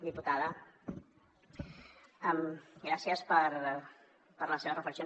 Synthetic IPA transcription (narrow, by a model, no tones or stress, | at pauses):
d̪iput̪aðə | ɛmɡɾasiəspəɾ | pəɾləseβərəfləksio